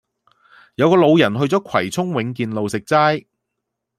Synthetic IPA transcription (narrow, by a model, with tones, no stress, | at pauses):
jɐ˨˧wkɔː˧lo˨˧wjɐ˨˩nɦɵ˧ɥt͡sɔː˨˥kʷʰwɐ˨˩jt͡sʰʊ˥ŋwɪ˨˥ŋkiː˨˧nlo˨wsɪ˨k̚t͡saː˥j